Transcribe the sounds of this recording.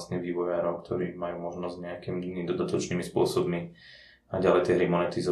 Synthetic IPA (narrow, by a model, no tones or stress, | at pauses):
st̪niʋiːʋɔjaːɾɔʊkt̪ʰɔɾiːmajuːmɔʒnɔzɟɲɛakimiinid̪ɔd̪at̪ɔt͡ʃniːmispʊɔsɔbmi | naɟalɛjt̪ɛɦɾimɔnɛt̪izɔ